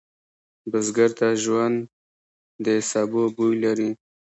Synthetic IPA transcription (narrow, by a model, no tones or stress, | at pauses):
bəzɡaɾt̪aʒwand̪ː | əsɑbobujlaɾi